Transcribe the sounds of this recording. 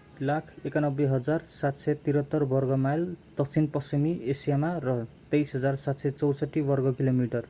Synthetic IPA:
lakʰekanʌbːeɦʌd͡zarsat̪sʌt̪iɾʌt̪ːʌrbʌrɡʌmajld̪̥ʌk̚t͡sʰinpʌsimiesijamarʌt̪ejsɦʌd͡zarsat̪sejt͡sʌwsʌʈːibʌrɡʌkilomiʈʌr

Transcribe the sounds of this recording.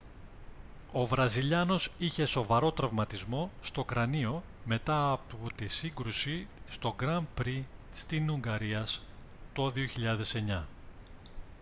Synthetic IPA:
o̞vɾɐziʎɐno̞siçe̞so̞vɐɾo̞t̪ɾɐvmɐt̪izmo̞st̪o̞kɾɐnio̞ | me̞t̪ɐːpot̪isiŋɡɾusist̪o̞ɡɾɐmpɾist̪inuŋɡɐɾiɐs | t̪o̞ðio̞çiʎɐðe̞se̞ɲɐ

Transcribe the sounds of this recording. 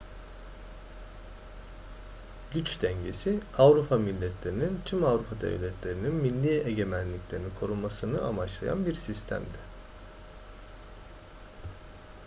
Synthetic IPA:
ɟyt͡ʃd̪ɛɲɟe̞siavɾupʰamilʲːɛt̪ʰlʲe̞ɾinint̪ʰymavɾupʰad̪ḛvlʲɛt̪ʰlʲe̞ɾininminlʲːieɟe̞mænlʲicʲlʲe̞ɾinikʰo̞ɾunmasɯnɯʔamat͡ʃlˠa̰ja̰nbiɾsist̪ʰæ̰md̪ɛ

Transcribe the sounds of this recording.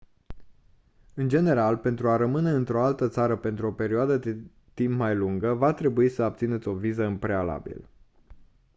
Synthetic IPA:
ɨnd͡ʒe̞ne̞ɾalpe̞nt̪ɾuaɾəmɨne̞ɨnt̪ɾo̞alt̪ət̪saɾəpe̞nt̪ɾuo̞pe̞ɾioad̪əd̪e | t̪impmajluŋɡəvat̪ɾe̞buisəap̚t̪sinet̪sʲo̞vizəɨmpɾe̞ala̰bḭl

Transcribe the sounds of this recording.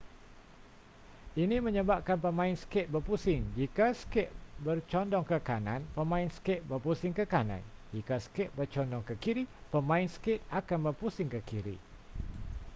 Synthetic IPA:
inimə̃ɲəbap̚kanpəmãɪnsə̥kɪt̪̚bərpusɪŋd͡ʒikaskɛʔ̚bərt͡ʃɔndɔŋkəkanã̰npəmãɪnsə̥kɪʔ̪̚bərpusɪŋkəkanã̰nd͡ʒikasə̥kɛʔ̪̚bərt͡ʃɔndɔŋkəkiɾipəmãɪnskɪt̪̚akanbərpusɪŋkəkiɾḭ

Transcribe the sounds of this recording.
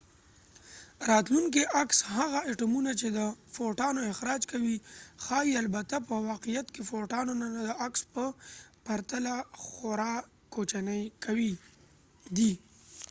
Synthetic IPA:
ɾɑt̪luŋk̬eʔakshaɣaɪʈamunat͡ʃed̪əfoʈɑnoɪxɾɑd͡ʒkawixɑialbat̪apəwɑqijat̪kefoʈɑnonanad̪əakspəpaɾt̪alaxoɾɑ | kot͡ʃanəjkʰawi | d̪i

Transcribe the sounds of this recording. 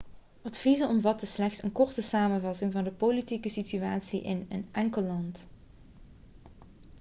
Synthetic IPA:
ʔɑtfizəɔmvɑtəslɛxtsənkɔrtəsaːmənvɑtɪŋvɑndəpolitikəsityaːtsiʔɪ̰nənʔɛŋkəlˠːɑnt

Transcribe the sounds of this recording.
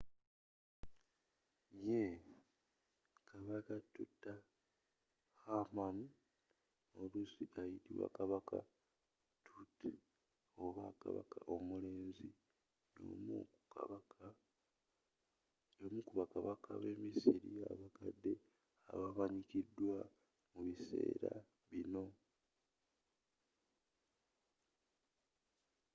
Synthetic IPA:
je | kʰaβakatutːa | xaman | o̞lusiajitiwa̰kaβaka̰ | tʰut | oβaka̰βa̰kaʔo̞mule̞ːnzi | no̰ːmouaa | omukuβakaβakaβe̞ːmisiɾia̰βakadːe̞ | a̰βamaɲikidːwa | muβise̞̰ːɾa | βino̞

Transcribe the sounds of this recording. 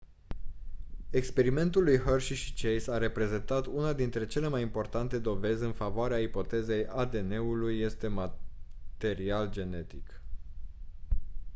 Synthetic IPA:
e̞kspe̞ɾime̞nt̪ulːujɦərʃiʃi̥t͡ʃejsaɾe̞pɾe̞ze̞nt̪at̪unad̪int̪ɾe̞t͡ʃe̞le̞majimpo̞rt̪ant̪e̞d̪o̞ve̞zʲɨnfavoaɾeaipo̞t̪e̞ze̞jad̪e̞ne̞ulujːe̞st̪e̞mat̪e̞ɾiald͡ʒe̞ne̞t̪ik

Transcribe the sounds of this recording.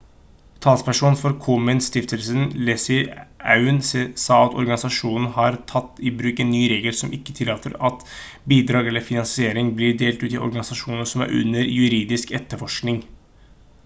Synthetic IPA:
t̪ʰɑːt̪spæʂuːnfɔɾkʰuːmənst̪ɪft̪əlsənlɛsɪɑ̰ʉnsɑːɑt̪ɔ̰ɾɡɑnɪsɑʂuːnən̩hɑɾt̪ʰɑt̪ːɪbɾʉːkɛnːyːɾeːɡəlsɔmʔɪkːə̥t̪ʰɪlːɑːt̪ʰə̰ɾɑt̪ | biːd̪ɾɑːɡɛlːəɾfɪnɑnsɪeːɾɪŋblɪɖeːlt̪ʉːt̪ɪʔɔ̰ɾɡɑnɪsɑʂuːnəʂɔmæ̰ɾʔʉ̰nːəɾjʉɾiːd̪ɪskɛt̪ːəfɔʂknɪŋ

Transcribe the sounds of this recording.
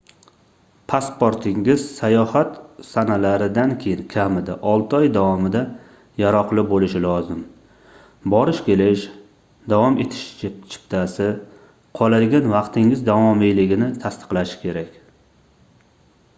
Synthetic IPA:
pʰaspoɾt̪ʰɪŋɪzsajɒhat̪sanalaɾɪd̪ankʲʰejɪnkʲʰamɪd̪aʔɒlˠt̪ʰɒjd̪avɒmɪd̪a | jaɾɒqlˠɪbolɪʃɪlɒzɪm | bɒɾɪʃkʲe̞lɪʃ | d̪avɒme̞t̪ʰɪ̥ʃt͡ʃʰt͡ʃʰɪ̥pt̪ʰasɪ | qʰɒlˠad̪ɡʲanvɑqt̪ʰɪŋɪzd̪avɒmɪjlɪɡʲɪnɪt̪ʰast̪ɨ̥qlˠaʃɪ̥kʲʰe̞ɾakʲ

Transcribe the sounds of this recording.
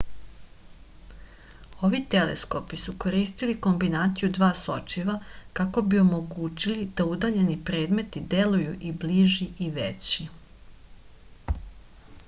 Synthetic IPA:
o̞ʋit̪e̞lḛsko̞pisuko̞ɾiːst̪iliko̞mbinaːt̪sijud̪ʋaːso̰t͡ʃiʋakako̞bio̞mo̞ɡuːt͡ɕilid̪̥aud̪aːʎe̞nipɾe̞ːd̪me̞t̪id̪e̞lujuʔibliʒiiʋet͡ɕi

